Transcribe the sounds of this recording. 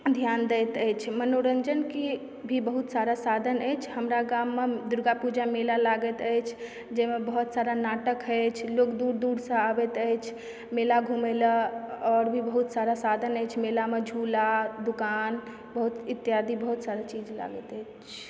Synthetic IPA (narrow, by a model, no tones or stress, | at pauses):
d̪ʱjand̪ɛjt̪əjt͡ʃʰmənoɾənd͡ʒənki | bʱibəɦut̪saɾasad̪ʱənəjt͡ʃʰhəmɾaɡamːed̪uɾɡapud͡ʒamelalaɡət̪əjt͡ʃʰ | d͡ʒɛmebəɦut̪saɾanaʈəkɦəjt͡ʃʰlokd̪uɾd̪uɾsə̃abɛt̪əjt͡ʃʰ | melaɡʱumeləɔɾbʱibəɦut̪saɾasad̪ʱənəjt͡ʃʰmelamed͡ʒʱulad̪ukan | bəɦut̪it̪ːjad̪ʱibəɦut̪saɾat͡ʃid͡ʒla̰ɡət̪əjt͡ʃʰ